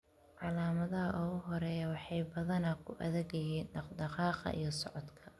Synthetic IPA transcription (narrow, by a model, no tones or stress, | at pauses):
ʕɑlaːmɐðɐɦɐʔɔɣʊɦɔɾɛːjɐwɑħɑjbɐðɐnɐkʰʊʔɐ̰ðɛɣɐjiːnɖɑqd̪ɑqɑːqɑ̰ʔḭjɞsɔʕɔd̪kʰɐ̥